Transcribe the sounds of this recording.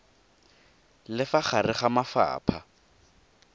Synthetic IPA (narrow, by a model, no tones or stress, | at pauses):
lɪfaχarɪχamafa̰ːpʰa